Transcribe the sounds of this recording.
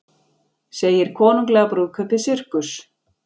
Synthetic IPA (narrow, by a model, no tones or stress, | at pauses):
seːjɪɾ̥kʰɔːnuŋklɛːɣapɾuːðkʰœt̪ɪsʏr̥kʏs